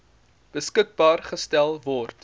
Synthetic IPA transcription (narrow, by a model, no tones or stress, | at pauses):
b̥əskək̚bɑːrχəstælˠvɔrt